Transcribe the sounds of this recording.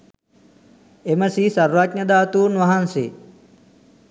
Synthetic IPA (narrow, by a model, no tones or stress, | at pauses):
eməsisɐɾʋaknəd̪aːt̪uːnʋɐɦansḛ